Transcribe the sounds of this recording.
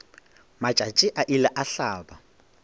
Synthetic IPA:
mat͡ʃʼat͡ʃʼɪʔaʔilaʔaɬaːba

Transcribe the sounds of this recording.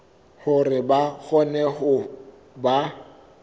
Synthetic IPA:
hʊrɪbaɣɔnɛχʊ | ba

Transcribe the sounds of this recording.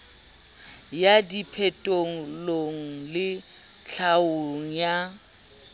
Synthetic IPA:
jadipʰɛtʼoŋ̩loŋ̩lɪ | ɬaoŋ̩ja

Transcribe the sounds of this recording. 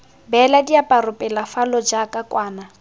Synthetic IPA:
bɛladiapʼaɾʊpʼɛlafalɔd͡ʒakʼakʼwaːna

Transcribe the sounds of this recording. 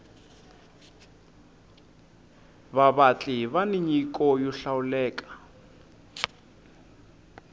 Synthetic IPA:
βaβat͡ɬʼɪβaniɲikʼɔjɔɬaʊlɛːkʼḁ

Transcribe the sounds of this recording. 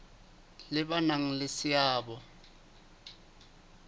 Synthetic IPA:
lɪbanaŋ̩lɪsɪjaːbɔ

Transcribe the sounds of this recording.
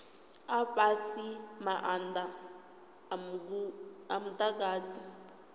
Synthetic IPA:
aɸasimaʔanda | uam̩tʼak̬aːzi

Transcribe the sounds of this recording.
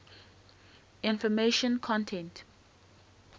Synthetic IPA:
ɪ̃nfɔmeʃə̃nkʰɔ̃ntʰɛ̃nt

